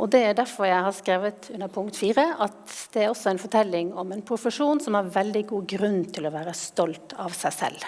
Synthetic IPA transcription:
ʔɔd̪ɛæɖæɾfɔɾjæɪhɑɾskɾeːʋət̪ʉnːəɾpʰʊŋkt̪fiːɾəʔɑt̪d̪̥ɛæɾɔsːɔɛɪnfɔʈ̪ʰɛlːɪŋɔmɛnpʰɾʊfəʂuːnsɔmæɾʋɛld̪ɪɡuːɡɾʉnːt̪ʰɪlɔʋæːɾəst̪ɔlt̪ʰɑʋsæɪsɛ̰lː

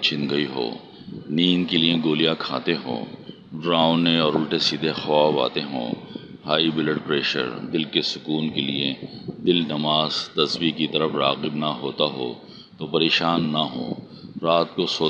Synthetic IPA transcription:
t͡ʃʰɪ̃nɡ̪ɐiɦo̰ː | niːnkeliẽɡoːlijakʰa̰ːt̪eɦõ̰ː | ɖɾãːʊ̃nːeɔːɾʊlʈesiːd̪ʱexɔːfa̰ːt̪eɦõ̰ː | haːibɪləɖpɾeːʃə̰ɾd̪ɪlkesʊkuːnkelied̪ɪlnɐmaːzt̪ɐswikit̪ɐɾəfɾaːɣɪbnɐɦoːt̪aɦo̰ː | t̪oːpɐɾeːʃaːnːɐɦõ̰ː | ɾaːt̪̚kosoː

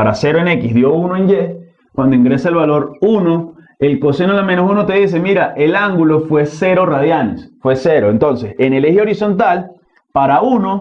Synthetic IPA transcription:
aɾase̞ɾoene̞kizðjo̞unoeɲd͡ʒe | kwand̪oiŋɡɾe̞saelβalo̞ɾuno̞ | elko̞senolamenosunot̪e̞ðis̬e̞miɾaʔelaŋɡulofwe̞seɾo̞raðjanḛsfwe̞se̞ɾoent̪o̞nse̞senelehjeo̞ɾiso̞nt̪al | paɾauno̞

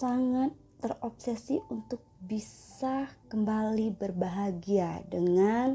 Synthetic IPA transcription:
saŋat̪ːərɔp̚sɛsiunt̪ʊk̚bisakəmbalibərbaɦaɡiadəŋan

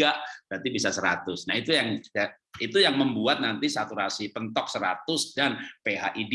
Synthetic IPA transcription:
aʔb̥ɾant̪ibisasəɾat̪ʊsnahit̪ujaŋ | it̪ujaŋməmbuat̪̚nant̪isat̪uɾasip̪ənt̪ɔk̚səɾa̰t̪ʊsdanpeɦa̰ʔid

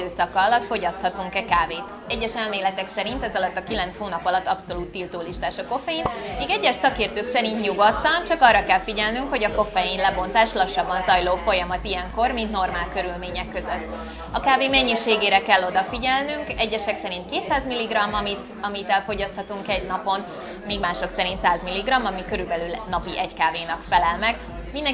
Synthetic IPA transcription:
øːsɒkːɒːlɒt̪fo̞ɟɒst̪hɒt̪uŋkɛkaːveːt̪ | ɛɟːɛʃɛlmeːlɛt̪ɛksɛɾint̪ɛzɒlɒt̪ːɒkilɛnshoːnɒpɒlɒt̪ːɒpso̞luːt̪ːilt̪uːliʃt̪aːʃɒko̞fɛjinmeːɡɛɟːɛʃsɒkeːrt̪øːksɛɾint̪ɲuɡot̪ːɒnt͡ʃɒkɒrːɒkɛlfiɟɛlnyŋkho̞ɟɒko̞fɛjinlɛbo̞nt̪aːʃlɒʃːɒbːɒnzɒjloːfo̞jɒmɒt̪ijɛŋko̞rmint̪no̞rmaːlkø̞ɾylmeːɲɛkːø̞zøt̪ː | ɒkaːveːmɛɲːiʃeːɡeːɾɛkɛlːo̞d̪ɒfiɟɛlnyŋkɛɟːɛʃɛksɛɾint̪̚keːt̪saːzmilːiɡrɒmːɒmit̪ | ɒmit̪ɛlfo̞ɟɒst̪hɒt̪uŋkɛɟnɒpo̞n | meːɡmaːʃo̞ksɛɾint̪saːzmilːiɡrɒmːɒmikøɾylbɛlylnɒpiʔɛckaːveːnɒkfɛlɛlmɛɡ | mind̪ɛŋ

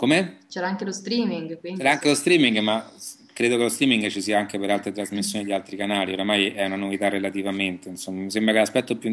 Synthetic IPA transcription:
komet͡ʃɛːɾaaŋkelost̪ɾiːmiŋɡkwint͡ʃɛɾaaŋkelost̪ɾiːmiŋɡma | kːɾeːd̪okelost̪ɾiːmiŋɡt͡ʃisiːaaŋkepeɾalt̪ɾet̪ɾazmisːjoːnid̪ialt̪ɾikanaːlioɾamajɛunanovit̪arːelat̪ivament̪einsomːamisembɾakelaspɛt̪ːopju

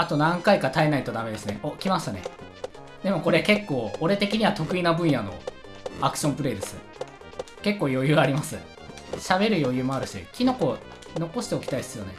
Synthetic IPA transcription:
at̪o̞nãŋkaikat̪aenait̪o̞d̪ame̞d̪e̞sɨne̞ʔokʲimaɕt̪ane̞̰ | d̪e̞mo̞ko̞ɾe̞ke̞kːo̞ːoɾe̞t̪e̞kʲiɲ̟iβat̪o̞kɯ̟inabɯ̟̃ɰ̃jano̞̰ | akɯ̟̥ɕõ̞mpɯ̟ɾe̞ːd̪e̞sɨ̥ | ke̞kːoːjo̞jɯ̟ːaɾʲimasɨ | ɕabe̞ɾɯ̟jo̞jɯ̟ːmo̞aɾɯ̟ɕḭkʲino̞ko̞ | no̞ko̞ɕi̥t̪eo̞kʲi̥t̪aissɨjo̞̰nḛ

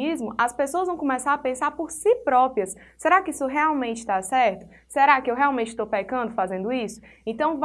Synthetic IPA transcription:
izmʊʔɐspesoɐzvɐ̃w̃kõmɛsaɾɐpẽsaɾpoɾsipɾɔpɾiɐsː | eɾakɪisʊɦɛawmẽnt͡ʃɪ̥t̪asɛɾt̪ʊ | seɾakɪewɦɛawmẽnt͡ʃɪ̥st̪owpɛkɐ̃nd̪ʊfazẽnd̪ʊisʊ̥ | ẽt̪ɐ̃w̃v

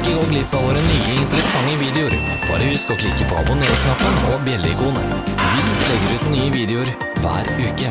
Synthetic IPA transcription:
kəɡoːɡlɪt̪mɛʋoːɾənyːəɪnt̪ɾəsɑŋːəʋiːd̪ɛʊɾ | b̥ɑ̰ːɾəʋɪskɑkʰlɪkːəpʰɔɑ̰bʊneːɾknɑpːəɳɔbjɛlːɪ̰kuːnə̰ʋɪlɛɡːəɾʉːt̪nyːəʋiːd̪ɛʊɾ | ʋæ̰ːɾʉːkə

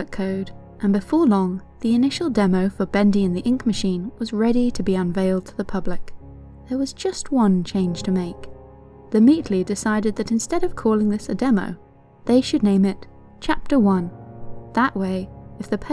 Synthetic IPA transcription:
ɨkʰːoʊɾ | ʔɨ̃nbɨfɔɹlɔ̃ŋ | ðiɨnɪʃl̩ˠdɛmoʊfə˞bɛ̃ndiɨ̃nðiʔɪ̃ŋkmɨʃĩnwʌzɹɛɾiɾɨbiə̃nveɪlˠd̚tʰəðɨpʰʌblɨk | ðə˞wʌzd͡ʒʌst̚wʌ̃nt͡ʃʰẽɪ̃nʒ̥tʰɨmeɪk | ðɨmitʰlidɨsaɪɾɨd̪̚ðɨɾɨ̃nstɛɾʌv̥kʰɔlˠɪ̃ŋðɪsɨdɛmo̰ʊ | ðeɪʃɨdⁿnẽɪ̃mɨt | t͡ʃʰæp̚tə˞wʌ̃nðəʔweɪɨfðɨpʰ

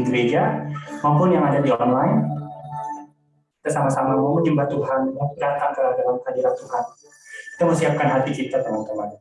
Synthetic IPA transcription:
ɡəɾed͡ʒamaumpʊnjaŋadadiɔnlaɪn | kit̪əsamasamamud͡ʒəmbat̪uɦanmadat̪aŋk̪əladalamkadiɾat̪uɦan | ki̥t̪aməsiap̚kanɦat̪ikit̪at̪amant̪uman

